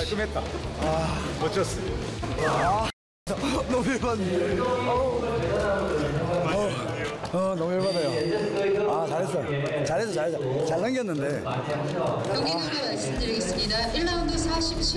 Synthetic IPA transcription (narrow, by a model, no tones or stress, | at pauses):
ak͈ɯmɦet̚t͈aaʌt͡ɕʰʌs͈ɯ | a | sʌnʌmujeɭban | ʌ | ʌnʌmujeɭbadajo | at͡ɕaɭɦes͈ʌj | t͡ɕaɭɦes͈ʌt͡ɕaɭɦes͈ʌt͡ɕaɭːaŋɡijʌnːɯnde̞ | joɡiuɾemas͈ɯmdɯɾiɡes͈ɯmɲidaʔiɭːaundusʰaɕʰipɕʰi